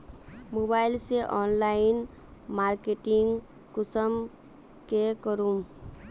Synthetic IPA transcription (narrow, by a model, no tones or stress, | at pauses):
mobaɪlseʔɔnlain | maɾkeʈiŋɡ | kusəm | kekəɾum